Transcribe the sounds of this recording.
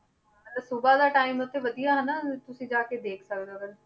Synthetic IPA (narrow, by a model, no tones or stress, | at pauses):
sʊbaːd̪aːʈaːimʊt̪ʰːeːʋəd̪ijaːɦənaːt̪ʊsĩːd͡ʒaːkeːd̪eːkʰsəkd̪oːɡən